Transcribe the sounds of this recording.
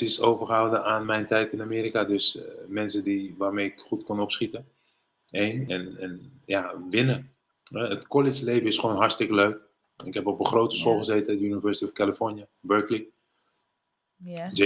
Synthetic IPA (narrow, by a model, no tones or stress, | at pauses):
isowvəχəɦawdəaːnmɛjntɛjtɪnamiːɾikadøsmɛnsədiʋaːrmejɪkχutkɔnɔpsχitə | ejnɛnɛnjaʋɪnə | ɛətkɔlɪd͡ʒlejvəɪsχʋownɦɑɹstɪkəløɥk | ɪkɦɛpɔpəχrowtəsχolˠχəzejtədynivɛɹsətiɔfkaləfɔɹnjəbøɹkli | d͡ʒ